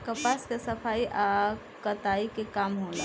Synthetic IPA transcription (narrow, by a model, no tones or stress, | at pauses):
kəpaskesəpʰaiʔa | kət̪aikekamɦola